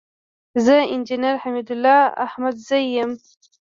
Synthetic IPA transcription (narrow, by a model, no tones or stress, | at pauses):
zəɪnd͡ʒinaɾhamid̪ʊlːɑa̰hmad̪zajːəm